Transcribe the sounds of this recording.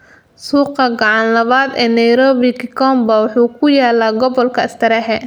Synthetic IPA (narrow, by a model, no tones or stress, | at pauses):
suːqɐɡɑʕɑnlɐβaːd̪ɛːnɐjɾɔːβikʰɪkʰɔːmbɐwɑħuːkʰʊjaːlaːɡɔβɔlkʰɐɪst̪ʰɐɾɛɦɛ